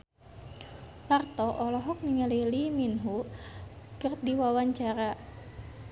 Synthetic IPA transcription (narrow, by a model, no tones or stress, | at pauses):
lart̪ɔʔɔlɔɦɔk̚niŋəliliminɦu | kərdiwawaɲt͡ʃaɾa